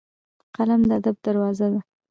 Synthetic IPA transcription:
qalamd̪əad̪ab̚d̪aɾwɑzad̪a

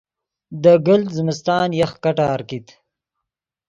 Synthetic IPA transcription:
d̪əɡəlzəmɪst̪ɑːnjaxkaʈaːɾkit̪

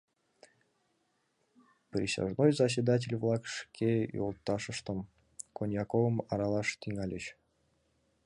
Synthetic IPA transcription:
pɾʲisʲa̰ʒnojzɐs̬ʲid̪at̬ʲelʲvlˠɑkʂkʰʲejo̰lˠt̪ːɑʃə̆ʃt̪ə̆m | konʲjɑkovə̆mɑɾɑlˠɑʃt̪iŋɑlʲət͡ɕ

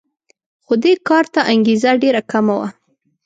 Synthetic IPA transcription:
xod̪ekɑɾt̪aʔaŋɡezaɖeɾakamawa̰

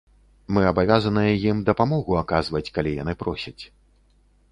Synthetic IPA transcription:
mɨɐbavʲazɐnɨjɛjimd̪ɐpamɔɣuakazvɐt͡sʲkalʲija̰nɨpɾɔsʲɐt͡sʲ

